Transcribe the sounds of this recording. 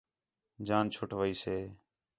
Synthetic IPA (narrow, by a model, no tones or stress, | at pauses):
d͡ʒaːnt͡ʃʰʊʈʰʋəiːseː